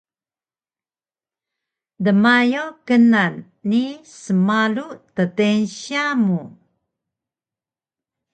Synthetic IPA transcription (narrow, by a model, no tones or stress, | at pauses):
dəmajokənanː | isəmaluʔtətenɕiamu